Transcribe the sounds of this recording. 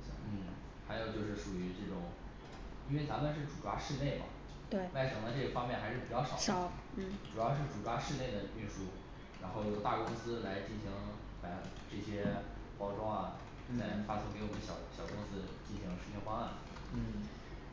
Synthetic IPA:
n̩˥˩ | xa˧˥ɪjo˨˩ʊt͡ɕjo˥˧ʊʂɻ̩˥˩ʂu˨˩y˧˥ʈ͡ʂɤ˥˩ʈ͡ʂʊ˨˩˦ŋ | i˥nwe˥˩ɪt͡sa˧˥mə˨nʂ̬ɻ̩˥˩ʈ͡ʂu˨˩ʈ͡ʂwa̰˥ʂɻ̩˥˧ne˥˩ɪmɐ̰˩ | t̪we˥˩ma˥˩ɪʂɑ˨˩ŋd̪ə˧˦ʈ͡ʂɤ˥˩ə˩fɑ˥ŋmjɛ˥˩nxa˧˥ɪʂɻ̩˥˩pi˨˩t͡ɕjɑ˥˩ʊʂɑ˨˩˦ə˨˩˦n̩˥˩ʈ͡ʂu˨˩jɑ˥˧ʊʂ̬ɻ̩˥˩ʈ͡ʂu˨˩ʈ͡ʂwa˥ʂɻ̩˥˧ne˥˩ɪd̪ə˩y˥˧ʂu˥˩ | ɻa˧˥nxo˥˩ʊjo˨˩ʊt̪a˥˩kʊ˥ŋsɹ̩˥la˧˥ɪt͡ɕi˥˩nɕi˧˥ŋ | pa˧˩ | ʈ͡ʂɤ˥˩ɕjɛ˥ | pɑ˥ʊʈ͡ʂɑ˥˩ŋɐ˩˥ | t͡sʰa˥˧fa˥sɤ˥ŋke˧˥ɪwɔ˨˩mə˦ɕjɑ˨˩ʊɕjɑ˨˩ʊkʊ˥ŋsɹ̩˥t͡ɕi˥˩nɕi˧˥ŋʂɻ̩˧˥t͡ɕʰɥɛ˥nxwa˥ŋa˥˩n | n̩˥˩

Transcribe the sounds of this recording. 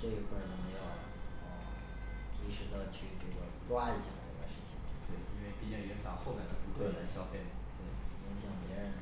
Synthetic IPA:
ʈ͡ʂɤ˥˩i˧˥kʰwa˥˩nə˧˥ŋ˧jo˨˩ | ə˧˩ | t͡ɕi˥ʂɻ̩˧˥d̪ə˧t͡ɕʰy˥˩ʈ͡ʂɤ˥˩ɡə˩ʈ͡ʂwa˥i˥˩t͡ɕʰi˨˩la˧˥ɪʈ͡ʂwa˥˧ʂɻ̩˥˩t͡ɕʰḭ˨˩ŋ˥˩t̪we˥˩ɪi˥nwe˥˩ɪpi˥˩t͡ɕɑ˥˩jɛ˧˥nsʰɑ˧˥xo˥˧ʊmjɛ˥˩nd̪ə˧˥pu˧˥k̪ʰwə˥˩nə˧˥nɕjɑ˥˧ʊfe˥˩ɪm˩t̪we˥˩ɪjɛ˧˥ŋɕjɑ˨˩ŋpjɛ˧˥ɻə˧˥n

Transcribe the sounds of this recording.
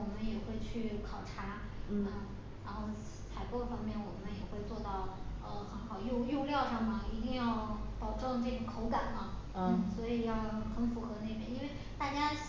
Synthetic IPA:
wɔ˨˩mə˦njɛ˨˩xwe˥˧ɪt͡ɕʰy˥˩kʰɑ˨˩ʊʈ͡ʂʰa˥ | ə˥˩ | a˧˥nxo˥˩ʊ | t͡s̪ʰa˧˥ɪpwɔ˥˩fɑ˥ŋmjɛ˥˩nwɔ˨˩mə˦njɛ˨˩xwe˥˧ɪt͡swɔ˥˧t̪ɑ˥˩ʊə˧xə˧˥nxɑ˨˩ʊjo˥˧ʊjo˥˧ljɑ˥˧ʊʂɑ˥˩ŋmə˩i˧˥t̪i˥˧ŋjɑ˥˩ʊpɑ˨˩ʊʈ͡ʂɤ˥˧ŋʈ͡ʂɤ˥˩ɕɛ˨˩kʰo˧˥ʊka˨˩nlə˦ | n̩˥˩swɔ˧˥i˨˩jɑ˥˩ʊxə˧˥nfu˧˥xɤ˧˥ne˥˩ɪpjɛ̰˥˩ni˥nwe˥˧ɪt̪a˥˩t͡ɕja˥

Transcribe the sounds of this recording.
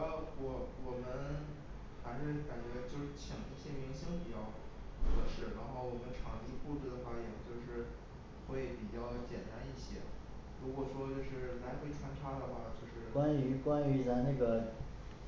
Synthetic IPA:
ə˧˥wɔ˨˩wɔ˨˩mə˧n | xa˧˥ɪʂ̩˥˩ka˨˩nt͡ɕɥɛ˧˥t͡ɕjo˥˧ʊʂɻ̩˥˩t͡ɕʰjɑ˨˩ŋt̪ɕɛ˥˩mi˧˥ŋɕi˥ŋpi˨˩t͡ɕjɑ˥˧ʊkʰɤ˧˥ʂɻ̩˨˩ɻa˧˥nxo˥˩ʊwɔ˨˩mə˦nʈ͡ʂʰɑ˨˩ŋti˥pu˥˧t͡su˥˩d̪ə˩xwa˥˩jɛ˨˩t͡ɕjo˥˧ʊʂɻ̩˥˧ | xwe˥˩ɪpi˨˩t͡ɕjɑ˥˩ʊt͡ɕjɛ˨˩nt̪a˥ni˥˩ɕjɛ̰˧˥ | ɻu˧˥kwɔ˨˩ʂwɔ˥t͡ɕjo˥˧ʊʂɻ̩˥˩la˧˥ɪpɪt͡sʰwa˥nʈ͡ʂʰa˥d̪ə˨xwa˥˩t͡ɕjo˥˧ʊʂɻ̩˥˩kwa˥ny˧˥kwa˥ny˧˥t͡sa˥˧ɪna˥˩ɡə˩

